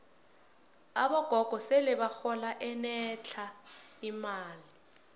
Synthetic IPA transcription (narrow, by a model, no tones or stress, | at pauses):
a̰ɓɔɡ̥ʱɔɡ̥ʱɔselɛβaxɔlaʔɛnɛt͡ɬʰaimaːli